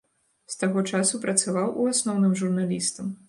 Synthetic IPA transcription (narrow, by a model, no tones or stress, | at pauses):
st̪aɣɔt͡ʂasupɾɐt̪savawʔuasnɔwnɨmʐurnalʲist̪ɐm